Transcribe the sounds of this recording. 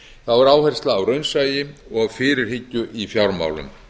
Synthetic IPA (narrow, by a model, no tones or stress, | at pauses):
θavaɾaːwhɛr̥st̪laːwɾœɥnsaːjɪɔɣawfɪːɾɪɾ̥hɪcːʏʔifjawɾma̰ːwlʏ̰m